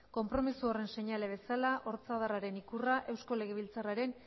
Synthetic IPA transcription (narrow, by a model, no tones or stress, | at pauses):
ko̞mpɾo̞misuore̞nse̞ɲaleβ̞e̞salaʔoɾt͡saðaraɾe̞nikuraʔe̞wsko̞le̞ɣ̞e̞βilt͡saraɾe̞n